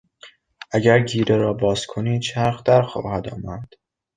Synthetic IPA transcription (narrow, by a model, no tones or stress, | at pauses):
ʔæɟæɾɟiːɾeɾɒːbɒːzkʰoniːd̪t͡ʃʰæɾxd̪æɾxɒ̰ːhæd̪ɒ̰ːmæd̪̥